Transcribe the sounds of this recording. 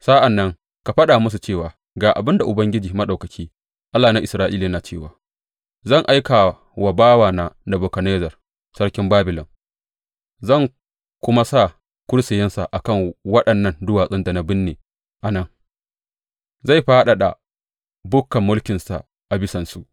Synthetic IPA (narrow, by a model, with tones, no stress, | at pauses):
sa˦ʔa˨nːɐ˦ŋ | ka˨ɸɐ˦ɗa˨mʊ˦s̬u˨t͡ʃeː˦˨waː˨ | ɡaː˨ʔa̰˨bɪ˦nda˨ʔʊ˨bɐ˦ŋɡʲɪ˦d͡ʒiː˨mɐ˦ɗa˨wkɐ˨kʲʰiː˦ | ʔa˦lːaː˨na˦ʔɪ˨sɾaː˦ʔiː˦liː˨˦naː˨t͡ʃeː˦˨waː˨ | zɐ˦˨ŋʔa˦jka˨ | wɐ˨baː˦waː˨naː˦na˨boː˨kɐ˨neː˦zɐ˨r | sɐ˦ɽkʲɪ˦mbaː˦bɪ˨lɔ˨m | zɐ˦˨ŋ | kʷʊ˦ma˦sa˦˨ | kʷʊ˦ɽsɪ˨jɛ˦nsa˨ʔa˨kɐ˦˨ŋwɐ˦ɗɐ˨nːɐ˦ndʊ˦waː˨sʼɪ˦nda˨na˦bɪ˦nːeː˨ | ʔa˨nɐ˦ŋ | za˦˨jɸaː˦ɗa˨ɗa̰˨ | bʊ˦kːɐ˨mːʊ˦lkʲɪ˨nsa̰˨ | ʔa˨bɪ˦sɐ˨nsu˦ʔ